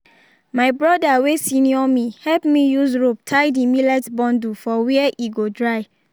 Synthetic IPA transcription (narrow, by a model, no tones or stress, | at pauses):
maɪbɹɔdawesĩniɔmihɛlpmijusɹop̚tʰajdimilɛtbɔ̃ndufɔwiɛʔiɡodɹaj